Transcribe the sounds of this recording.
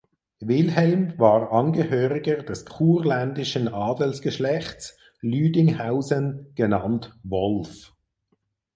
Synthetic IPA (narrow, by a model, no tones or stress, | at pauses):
vɪlɦɛlmvaːʁʔɑnɡəhøːʁɪɡəd̥ɛskʰuːʁlændɪʃənɑːdəl̩sɡ̥əʃlɛχt͡s | lyːdɪŋhaʊzənɡ̥ənɑntvɔlf